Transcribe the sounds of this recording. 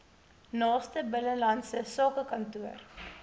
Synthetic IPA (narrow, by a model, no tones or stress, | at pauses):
nɑːstəbələlɐnsəsɑːkəkɐntuər